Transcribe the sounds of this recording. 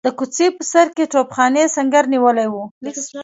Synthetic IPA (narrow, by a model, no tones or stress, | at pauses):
d̪̥əkut͡sepəsaɾkeʈopxɑnesaŋɡaɾniwəlajwu